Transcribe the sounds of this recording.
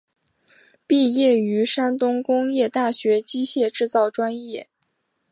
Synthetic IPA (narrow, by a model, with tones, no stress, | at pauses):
pi˥˧jɛ˥˩y˧˥ʂa˥nt̪ʊ˥ŋkʊ˥ŋjɛ˥˧t̪a˥˩ɕɥɛ˧˥t͡ɕi˥ɕjɛ˥˧ʈ͡ʂɻ̩˥˧t͡sɑ˥˩ʊʈ͡ʂwa˥njɛ˥˩